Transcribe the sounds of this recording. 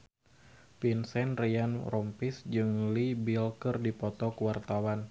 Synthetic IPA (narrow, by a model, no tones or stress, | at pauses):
pinsɛnrianrɔmpisd͡ʒɨŋlibilkɨrdipɔt̪ɔkuwart̪awan